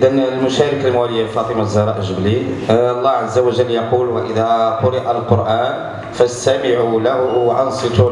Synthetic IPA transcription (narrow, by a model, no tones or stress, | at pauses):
d̪ænlmʊʃæɾəkəlmwæləjːalfɑt̪ˤəmazːɑɾˤɑʔəʒəblilˤːɑʕazːawəʒəlːjɑqulwəʔəd̪æqʊɾəʔalqoɾʔæn | fəst̪æmɪʕulæwʔɑnsˤɨt̪u